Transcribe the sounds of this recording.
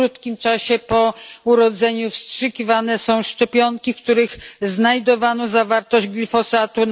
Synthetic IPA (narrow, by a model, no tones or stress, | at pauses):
ɾut̪kʲimt͡ʂaɕɛpɔuɾɔd̪zɛɲufstʂɘkʲivanɛsɔ̃w̃ʂt͡ʂɛpʲjɔŋkʲifk̚t̪uɾɘxznajd̪ɔvanɔzavaɾt̪ɔʑd͡ʑɡlʲifɔsat̪un